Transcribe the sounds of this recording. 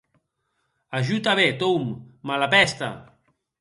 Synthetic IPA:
aʒut̪aβet̪owmːalapɛst̪a̰

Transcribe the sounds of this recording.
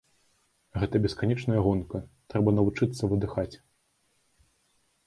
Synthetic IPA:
ɣɛt̪ɐbʲɛskanʲɛt͡ʂnɐjɐɣɔnkɐt̪ɾɛbɐnɐvut͡ʂɨt̪sːɐvɨd̪ɨxat͡sʲ

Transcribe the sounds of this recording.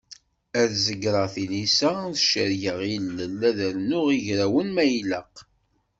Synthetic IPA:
æðzəɡɾˤɑθinisæθʃəɾjəʁilːəlːæðəɾnʊʁiʝɾæwənmæjləq

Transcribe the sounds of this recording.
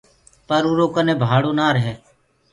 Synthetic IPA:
pəɾuɾoːkənẽːbʱaːɽoːnaːɾəɦɛː

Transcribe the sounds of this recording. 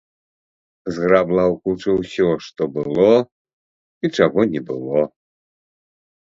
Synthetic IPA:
zɣɾablˠawkut͡ʂɐwsʲɔʂt̪ɔbɨlˠɔ | it͡ʂaɣɔnʲɛbɨ̰lˠɔ

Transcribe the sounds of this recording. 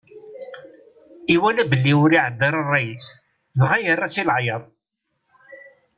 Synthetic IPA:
iwælæbəlːiʊɾiʕəd̪ːɑɾˤɑrˤːɑjəs | ðʁajərˤːɑsilʕjɑðˤ

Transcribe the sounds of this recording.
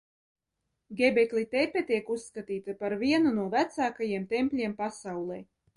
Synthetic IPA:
ɡʲebʲɛklʲˠit̪ɛpʲɛt̪iɛkusːkat̪iːt̪apaɾviɛnunuɔvæt̪saːkajiɛmt̪ɛmpʲlʲiɛmpasawlˠɛ

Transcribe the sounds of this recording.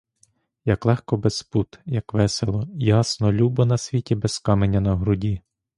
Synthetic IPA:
jɐklˠɛxkɔbesput̪jɐkʋɛselˠɔjɑsnɔlʲubɔnɐsʲʋʲitʲibɛskɑmenʲːɐnɐɦɾʊdʲi

